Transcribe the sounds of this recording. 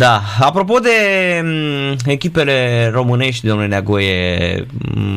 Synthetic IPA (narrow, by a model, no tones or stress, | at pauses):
d̪aapɾo̞p̬o̞d̪e̞ | ekʲipele̞ɾo̞mɨne̞ʃ̬t̪ʲd̪omnulenaɡoje